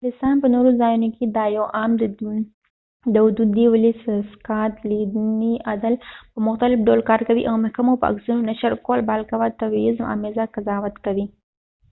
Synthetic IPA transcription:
lɪst̪ɑnpənoɾozɑjunoked̪ɑjawʔɑmd̪ | d̪əʊd̪ud̪iwɪlisskɑt̪lid̪niʔad̪alpəmʊxt̪alɪfɖolkɑɾkawiʔawmʊhkamopəa̰ksunonaʃaɾkolbalkawat̪abiɪzma̰mezakazɑwat̪kawi

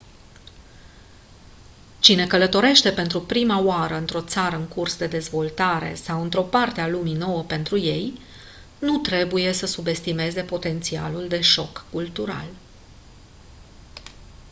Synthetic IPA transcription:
t͡ʃine̞kələt̪o̞ɾe̞ʃt̪e̞pe̞nt̪ɾupɾimaoaɾəɨnt̪ɾo̞t̪saɾəɨŋkursd̪e̞d̪e̞zvo̞lt̪aɾe̞̰sawɨnt̪ɾo̞part̪ealumino̞wəpe̞nt̪ɾuje̞j | nut̪ɾe̞buje̞səsube̞st̪ime̞ze̞po̞t̪e̞nt̪sia̰luld̪e̞ʃo̞kːult̪uɾa̰l

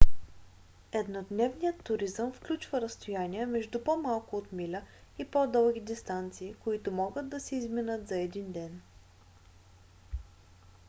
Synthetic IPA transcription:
ɛd̪nod̪nɛvnijət̪ːʊɾizəmfklʲut͡ʃvəɾɐst̪ojaniɛmɛʒd̪upomalˠkʊot̪milʲəipɔd̪ɤlˠɡʲid̪ist̪ant̪siːkʊit̪ʊmɔɡəd̪ːɐsɛizminət̪zɐɛd̪ind̪ɛn

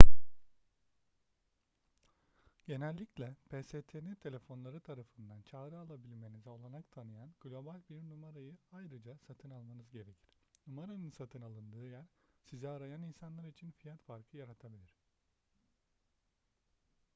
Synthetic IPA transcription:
ɟ̥e̞nælʲːiclʲɛpʰeset̪ʰenit̪ʰe̞lʲe̞fo̞nlˠaɾɯt̪ʰaɾafɯnd̪ant͡ʃʰaːɾɯalˠabilʲme̞nizo̞lˠaɾakt̪ʰanɯjanɡ̥lʲo̞balʲbiɾnumaɾajɯajɾɯd͡ʒasat̪ʰɯnalˠmanɯzɟe̞ɾe̞cʰiɾ̥numaɾanɯnsat̪ʰɯnalˠɯnd̪ɯːjæɾsizɛaɾajaninsanlˠaɾit͡ʃʰinfijat̪faɾkʰɯjaɾat̪ʰabilʲiɾ̥

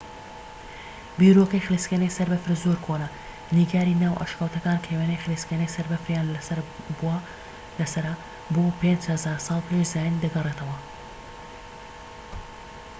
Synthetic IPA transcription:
biɾokɐjxliskenɐjsɐɾbɐfɾzoɾkʰonɐ | niːɡaːɾiːnaːwʔa̰ʃkawt̪ɐkaːnkʰejwenɐjxɨliskenɐjsɐɾbɐfɾjaːnbua | lɐsɐɾɐ | boːpend͡ʒhɐzaːɾsˤɑːlˠpʰeʃzaːjind̪ɐɡɐret̪ʰɐwɐ

